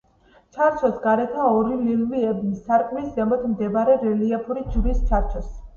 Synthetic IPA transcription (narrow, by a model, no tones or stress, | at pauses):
t͡ʃʰaɾt͡ʃʰɔsɡaɾɛt̪ʰaɔɾililviɛbnisaɾkʼmiszɛmɔt̪ʰmd̪ɛbaɾɛɾɛliapʰuɾid͡ʒɾist͡ʃʰaɾt͡ʃʰɔs